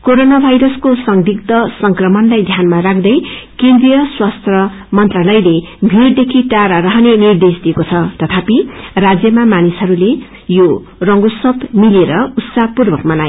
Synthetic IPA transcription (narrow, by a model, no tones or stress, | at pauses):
koɾonabʱajɾʌskosʌŋd̪ʱikt̪ʌsʌŋkrʌmʌnlajd̪ʱjanmaɾakʰd̪ʌjkẽnd̪rijʌswast̪ʰʌ | mʌnt̪ralʌjlebʱird̪ekʰiʈaɾaɾʌɦʌnenird̪esd̪iekot͡sʰʌt̪ʌt̪ʰapirad͡zjʌmamanisɦʌɾule | jo | rʌŋɡosʌpmileɾʌut̪sapurbʌkmʌnaj